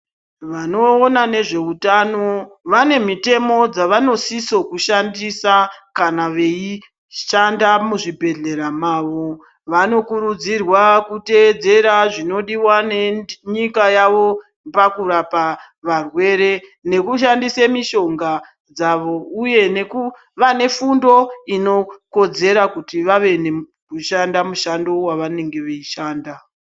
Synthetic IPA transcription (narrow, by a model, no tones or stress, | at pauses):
ʋano̞ːnane̞ʐe̞utano̞ʋane̞mite̞mo̞d͡zaʋano̞siso̞kuʃandisakanaʋe̞i | ʃandamuʐibʱe̞ɮe̞ɾamaːʋo̞ | ʋano̞kuɾud͡zirwakute̞ːd͡ze̞ɾaʐino̞ɗiwaneɲikajaʋo̞ | pakuɾapa | ʋarwe̞ːɾe̞ne̞kuʃandisemiʃo̞ŋɡa | d͡zaʋo̞uje̞ne̞ku | ʋane̞fundo̞ino̞ko̞d͡ze̞ɾakutiʋaʋe̞ne̞ | kuʃandamuʃando̞waʋane̞ŋɡe̞ʋeiʃaːnda